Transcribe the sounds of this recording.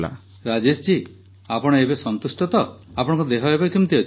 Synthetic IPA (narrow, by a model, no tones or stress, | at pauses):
la̰ | ɾad͡ʒest͡ʃi | apɔɽ̃ɔebesɔnt̪usʈɔt̪ɔapɔɽ̃ɔŋkud̪eɦɔebajkimt̪ʰiot͡ʃʰ